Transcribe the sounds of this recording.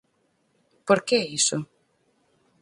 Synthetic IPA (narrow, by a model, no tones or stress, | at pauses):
poɾkeɛisʊ